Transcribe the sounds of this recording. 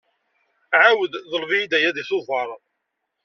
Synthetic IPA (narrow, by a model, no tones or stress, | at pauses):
ʕawəððˤəlviid̪æjæðiθoðˤɑɾˤəðˤ